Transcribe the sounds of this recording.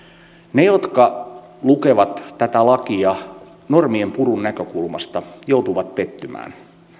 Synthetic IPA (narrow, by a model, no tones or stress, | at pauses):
ne̞jo̞t̪kɑ | luke̞ʋɑt̪ːæt̪ælɑkiɑ | no̞rmiempuɾunːækø̞kulmɑst̪ɑjowt̪uʋɑt̪̚pe̞t̪ːymæ̰ːn